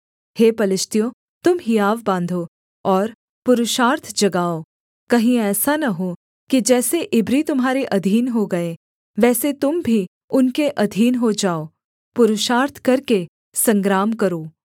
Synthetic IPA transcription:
heːpɐlɪʃt̪ijõ | t̪ʊmɦijaːʋbãːnd̪ʱo | ɔːɾ | pʊɾʊʃaːɾt̪ʰd͡ʒɐɡaːo | kɐɦĩɛːsanɐɦo | kid͡ʒɛːseʔɪbɾit̪ʊmɦaːɾeʔɐd̪ʱiːnɦoɡɐe | ʋɛːset̪ʊmbʱi | ʊnkeʔɐd̪ʱiːnɦod͡ʒaːoː | pʊɾʊʃaːɾt̪ʰkɐɾke | sɐ̃ŋɡɾaːmkɐɾoː

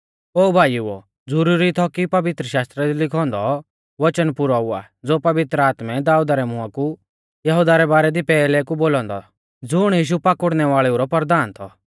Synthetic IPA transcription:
oːbʱaːjuɔ̰ | d͡zʊɾuːɾit̪ʰɔkipɐʋɪt̪ɾəʃaːst̪ɾɛd̪ilɪkʰɔ̃ːnd̪ɔ | ʋɐt͡ʃənpʊɾaua̰ | d͡zoːpɐʋɪt̪ɾəaːt̪mɛd̪aːuːd̪aɾɛmʊaku | jɐɦud̪aɾɛbaːɾɛd̪ipɛːlɛkuboːlɔ̃ːnd̪ɔ̰ | d͡zʊɽ̃jiːʃ̬upakʊɽnɛʋaːɭɛuɾɔpɐɾd̪aːnt̪ʰɔ

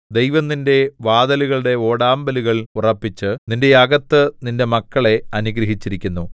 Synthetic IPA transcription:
d̪ejʋɐnːinde̞ʋaːðɐluɣɐɭuɽe̞o̞ːɽaːmbɐluɣɐɭurɐpːit͡ɕːɨninde̞jaɡɐt̪ːɨninde̞mɐkːɐɭe̞ɐnuɡɾɐɦit͡ɕːiɾikʲːunːu

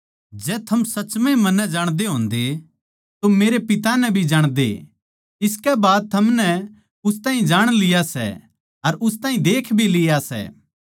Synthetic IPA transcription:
d͡ʒɛːt̪ʰɐmsɐt͡ʃmẽmɐnɛ̃d͡ʒaːɽ̃d̪eɦõːnd̪e | t̪omeːɾepɪt̪anɛbʱid͡ʒaːɽ̃d̪ḛ | ɪskɛbaːd̪̚t̪ʰɐmnɛ | ʊst̪aːɦĩd͡ʒaːɽ̃lɪjasɛ̰ | ɐɾʔʊst̪aːɦĩd̪eːkʰbʱilɪjasɛ̰ː

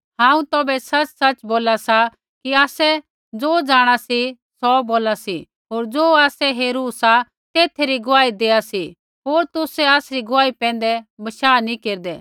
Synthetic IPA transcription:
ɦãːũt̪ɔːbɛsɐt͡ʃsɐt͡ʃboːlasa | kiaːsɛ | d͡zoːd͡zaːɽ̃asi | sɔboːlasi | ɦoːɾd͡zoːaːsɛɦeːɾuːsa | t̪eːt̪ʰeɾiɡʊʋaːid̪eːasi | ɦoːɾt̪ʊsɛaːsɾiɡʊʋaːipɛ̃ːn̆d̪ɛbɐʃaːnĩkeːɾd̪ɛː

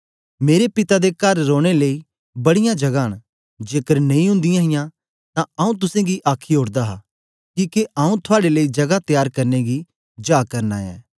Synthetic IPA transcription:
meːɾepɪt̪ad̪ekɐɾːoːɽ̃elei | bɐɽɪjãd͡ʒɐɡaːɦəɽ̃ | d͡ʒeːkəɾnɐ̃ĩɦʊ̃nd̪ɪjãɦɪjã | t̪ãɐːũt̪̬ʊsẽɡiʔaːkʰiɦoːɾd̪aɦa | kiːkeʔaũt̪ʰʊaːɽeləid͡ʒɐɡat̪jaːɾkɐɾneɡi | d͡ʒaːkɐɾna̰ːɛ̰ː

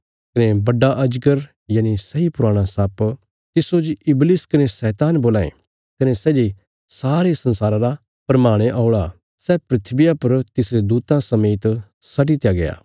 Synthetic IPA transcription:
kɐnebɐɖːaʔɐd͡ʒɡəɾ | jaːnisɐipʊɾaːɽ̃asap | t̪ɪsod͡ʒɪblɪskɐnesɛːt̪aːnboːlaːḛ̃ | kɐnesɛːd͡ʒe | saːɾesɐ̃nsaːɾãɾa | pɾɐmaːɽ̃eʔɔːɭa | sɛpɾɪt̪ʰbɪjapɐɾt̪ɪsɾed̪uːt̪ãsɐmeːt̪ | sɐʈit̪jaɡɐja̰ː

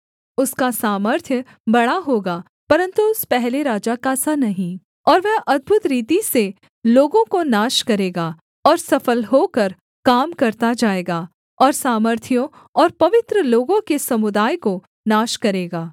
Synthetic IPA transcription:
ʊskasaːməɾt̪ʰjə | bɐɽaɦoːɡaː | pɐɾə̃nt̪uʊspɛɦleɾaːd͡ʒakasanɐɦĩ | ɔːɾʋɛɦʔɐd̪̚bʱʊt̪ɾiːt̪ise | loːɡõkonaːʃkɐɾeːɡaː | ɔːɾsɐfəlɦoːkɐɾ | kaːmkɐɾt̪ad͡ʒaːeːɡaː | ɔːɾsaːməɾt̪ʰjõ | ɔːɾpɐʋɪt̪ɾəloːɡõkesɐmʊd̪aːjko | naːʃkɐɾeːɡaː

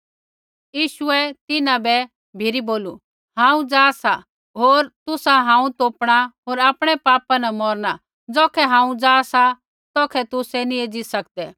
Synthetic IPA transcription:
jiːʃʊɛt̪ɪnãbɛ | bʱɪɾiboːlu | ɦãːũd͡zaːsa | ɦoːɾt̪ʊsaɦãːũt̪oːpɽ̃aɦoːɾaːpɽ̃ɛpaːpanamɔɾna | d͡zɔːkʰɛɦãːũd͡zaːsa | t̪ɔːkʰɛt̪ʊsɛnĩed͡zisɐk̚d̪ɛ

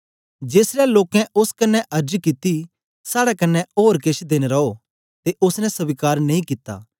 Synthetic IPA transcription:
d͡ʒeːsɾɛloːkɛ̃ʊskɐnːɛʔɐɾd͡ʒkɪt̪i | saːɽɛkɐnːɛoːɾkeʃʰd̪eːñeɾɐo | t̪eʔʊsnɛ̃sɐbɪkaːɾnɐĩkɪt̪ːa̰ː

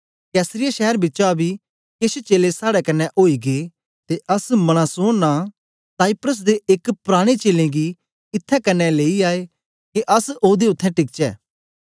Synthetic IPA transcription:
kɛːsɾɪjaʃɛːɾbɪːt͡ʃabʱi | keːset͡ʃeːlesaːɽɛkɐnːɛʔoːiɡe | t̪eʔɐsmɐɽ̃asoːna | saːɪpɾəs̬d̪eʔekpɾaːɽ̃et͡ʃeːlẽɡi | ɪt̪ʰːɛkɐnːɛleːiaːe | keʔɐsoːd̪eʊt̪ʰːɛ̃ʈɪkt͡ʃɛ̰ː

